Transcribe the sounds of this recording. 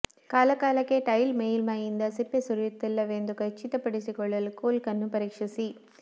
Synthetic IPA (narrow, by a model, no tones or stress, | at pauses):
kaːlɐkːaːlɐkːeʈɐjɪlmejɪlmaːjɪnd̪ɐsɪpːesʊɾɪt̪ːɪlːɐʋeːnd̪ɯkɐt͡ʃːɪt̪ːɐpːɐɽɪsikɔɭːɐlkoːlkɐnːɯpɐɾɪkʂɐsi